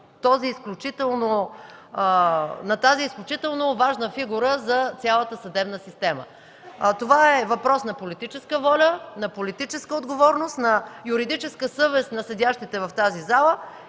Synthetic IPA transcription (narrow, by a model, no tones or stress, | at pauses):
t̪ɔziːsklʲut͡ʃit̪ɛlˠno | nɐt̪aziːsklʲut͡ʃit̪ɛlˠnovaʒnəfiɡuɾəzɐt̪sʲalˠət̪əsɐd̪ɛbnəsist̪ɛmə̰ | t̪ovaɛvɐpɾɔsnɐpolit̪it͡ʃɛskəvɔlʲənɐpolit̪it͡ʃɛskəod̪ɡovɔɾnost̪nɐjuɾid̪it͡ʃɛskəsɤvɛsnɐsɛd̪ʲaʃt̪it̪ɛvɐft̪azizalˠə